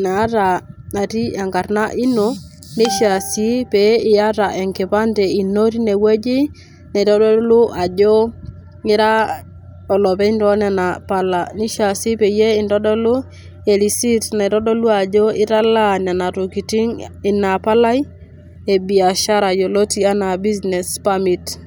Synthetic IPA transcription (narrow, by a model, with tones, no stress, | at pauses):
na˨˦ta˨na˨ti˦a˨ŋka˨ɾna˦ʔi˦no˨ | ni˦ʃa˨si˦pe˨˦ɪ˨a˦ta˨ʔɛ˨ŋkɪ˨pa˦ntɛ˨i˨no˦ɾi˦ne˨we˦d͡ʒi˦ | ne˨ɾɔ˦do˦lu˦ʔa˨d͡ʒo˦ | ɪ˦ɾa˦ | ɔ˨lɔ˨pɛ˦i˦ndɔ˦nɛ˨na˨pa˦la˨ni˦ʃa˨si˦pe˨je˦ɪ˦˨ndɔ˦dɔ˦lu˦ | e˨ɾi˨si˦tne˨ɾɔ˦do˦lu˦a˨d͡ʒo˦ʔɪ˦ɾa˦la˦na˨na˨to˨ki˨ti˦ŋɪ˨na˨pa˦la˦j | e˨bi˨a˨ʃa˦ɾa˨jo˨lo˦ti˨a˦na˨bi˦zne˨spa˦mi˨t